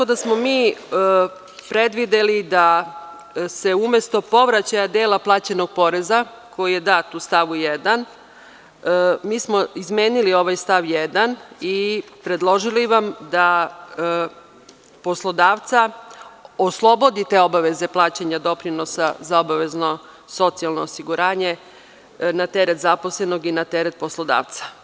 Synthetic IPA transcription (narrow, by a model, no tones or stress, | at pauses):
akod̪asmo̞miː | pɾe̞d̪ʋid̪elid̪a | se̞ume̞st̪o̞po̞ʋɾat͡ɕajad̪e̞ːlaplˠaːt͡ɕeno̞ɡ̚po̞ɾe̞za | ko̞jije̞d̪aːt̪ust̪aʋujed̪an | miːsmoizme̞ːnilio̞ʋajst̪aʋjed̪anipɾe̞d̪lˠo̞ʒiliʋamd̪a | po̞slˠo̞d̪aːʋt̪sa | oslˠo̞bo̞d̪it̪eːo̞baʋe̞ze̞plˠaːt͡ɕeɲad̪o̞pɾino̞sazao̞baʋe̞zno̞ | so̞t̪sialˠno̞ːsiɡuɾaːɲe̞ | nat̪e̞ɾe̞t̪zaposle̞no̞ɡinat̪e̞ɾe̞t̪̚po̞slˠo̞d̪a̰ːʋt̪sḁ